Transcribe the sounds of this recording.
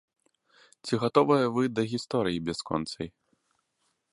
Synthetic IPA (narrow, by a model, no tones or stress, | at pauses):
t͡sʲiɣat̪ɔvɐjɐvɨd̪ɐɣʲist̪ɔɾɨjibʲɛskɔ̰nt̪sɐ̰j